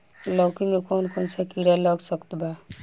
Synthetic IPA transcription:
lɔkimekɔnkonsakiɽalɔɡsəkt̪ba

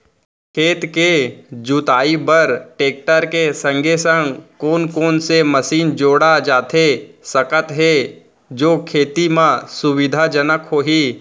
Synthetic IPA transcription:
kʰeːt̪ked͡ʒut̪aːibəɾʈeːk̚ʈəɾkesə̃ŋɡʱesə̃ŋɡkoːnkoːnseməsiːnd͡ʒoːɽad͡ʒaːt̪esəkət̪ɦe | d͡ʒoːkʰeːt̪imãsʊwɪd̪ʱad͡ʒənəkɦoːɦiː

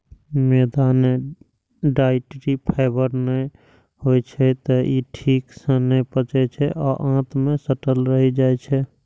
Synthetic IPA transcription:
med̪ane | ɖaɪʈɾipʰaɪbəɾnə | ɦojt͡ʃʰɛt̪ɔiʈʰiːksə̃nɛpət͡ʃɛt͡ʃʰɛʔɔʔãt̪mẽsəʈəlɾəɦid͡ʒajt͡ʃʰɛ

